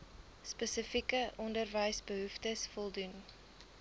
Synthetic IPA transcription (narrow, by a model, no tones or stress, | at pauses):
spəsəfikəʔɔndərvəjsbəɦuftəsfɔlˠdun